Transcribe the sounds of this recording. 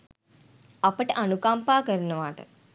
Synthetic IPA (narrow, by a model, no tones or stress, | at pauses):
ɐpəʈəʔɐnukampaːkəɾunəʋaːʈə̰